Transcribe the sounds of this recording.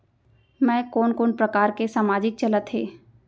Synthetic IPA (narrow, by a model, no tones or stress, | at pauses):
mɛ̃ːkoːnkoːnpɾɐkaːɾkesaːmaːd͡ʒɪk̚t͡ʃɐlət̪ɦḛː